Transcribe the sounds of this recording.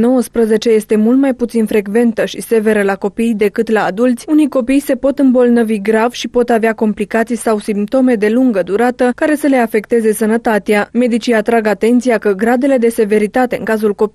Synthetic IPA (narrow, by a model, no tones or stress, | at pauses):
no̞wəspɾəze̞t͡ʃe̞je̞st̪e̞mult̪majput̪sinfɾe̞ɡve̞nt̪əʃise̞ve̞ɾəlako̞pijd̪e̞kɨt̪laːd̪ult̪sʲunijko̞pijse̞po̞t̪ɨmbo̞lnəviɡɾav̥ʃipo̞t̪aveako̞mplikat̪sijsawsimp̚t̪o̞me̞d̪e̞luŋɡəd̪uɾat̪əkaɾe̞səle̞afe̞kt̪e̞ze̞sənət̪at̪eame̞d̪it͡ʃiat̪ɾaɡat̪e̞nt̪sijakəɡɾad̪e̞le̞d̪e̞se̞ve̞ɾit̪at̪e̞ɨ̰ŋkazulko̞pi